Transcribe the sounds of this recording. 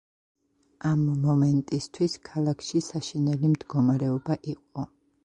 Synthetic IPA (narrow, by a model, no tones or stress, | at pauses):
amːɔmɛnt̪ʼist̪ʰwiskʰalˠakʰʃisaʃinɛlimd̪ɡɔmaɾɛɔbaʔiqʼɔ